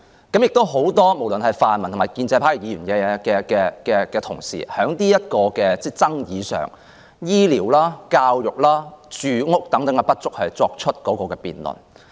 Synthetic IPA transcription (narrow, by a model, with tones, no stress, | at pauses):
kɐ˨˥mjɪ˨k̚t̪o˥wɦo˨˥wt̪ɔː˥mo˨˩wlɵ˨˩nhɐ˨jfaː˨˩nmɐ˨nt̪ʰmaː˨˩jkiː˧nt͡sɛː˧pʰaː˨˥ji˨˩jiː˨˧ɥyː˨˩nkɛː˨˧ɛ˧kɛː˧kɛː˧kɛː˧kɛː˧t̪ʰʊ˨˩ŋsḭː˨˩hœː˨˥ŋt̪iː˥jɐ˥t̚kɔː˧kɛː˧t͡sɛː˥˩t͡sɐ˥ŋjiː˨˧sœ̰ː˨˩ŋ | jiː˥liː˨˩wlaː˥kaː˧wjʊ˨˩k̚laː˥t͡ʃyː˨ŋʊ˥k̚t̪ɐ˨˥ŋt̪ɐ˨˥ŋkɐ˧pɐ˥t̚t͡sʊ˥k̚hɵ˨˧t͡sɔː˧k̚t͡ʃʰɵ˥t̚kɔː˨˥kɔː˧kɛː˧pḭː˨˩nlʊ̰˨˩n